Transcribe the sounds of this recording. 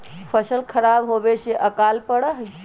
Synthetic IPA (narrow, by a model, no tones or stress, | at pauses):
pʰəsəlkʰəɾabɦobeseʔəkalpəɽəɦ